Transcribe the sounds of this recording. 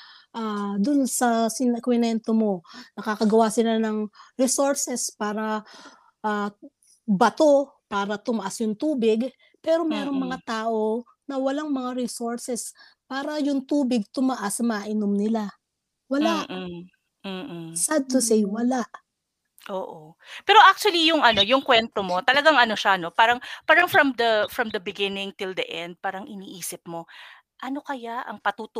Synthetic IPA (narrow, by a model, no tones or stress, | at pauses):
ʔaːd̪ʊnsɐsɪnɛkwɪnɛnt̪omo̞nɐkakɐɡɐwasɪlanɐŋɾɛsoɹsɛspaːɾɐ | ʔa | bɐt̪o̞ | paːɾɐt̪ʊmɐʔasjʊŋt̪uːbɪɡ | pɛːɾo̞mɛːɾo̞ŋmɐŋat̪aːʔo̞ | nɐwɐlaŋmɐŋaɾɪsoɹsɛspaːɾɐjʊŋt̪uːbɪɡ̚t̪ʊmɐʔasɐmɐaʔɪnomnɪla | wɐlaʔ̩ | sad̪̚t̪ʊsejwɐlaʔ | ʔoːʔo | pɛːɾo̞ʔak̚t͡ʃuɐlijʊŋʔɐno̞jʊŋkwɛnt̪omo̞t̪ɐlɐɡaŋɐno̞ʃano̞paːɾɐŋpaːɾɐŋfɹɐmd̪ɐfɹɐmd̪ɐbɪɡɪnɪŋt̪ɪld̪ɐʔɛnd̪̚paːɾɐŋʔɪniːʔiːsɪp̚mo̞ | ʔɐno̞kɐjaʔɐ̰ŋpɐt̪ut̪ʊ